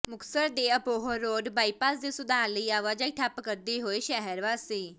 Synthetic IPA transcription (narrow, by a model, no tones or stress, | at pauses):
mʊksəɾd̪eːəpoːɦəɾoːɖbaːipaːsd̪eːsʊd̪aːləiːaːʋaːd͡ʒaːiʈʰapkəɾd̪iːɦoːeːʃɛɦəɾʋaːsiː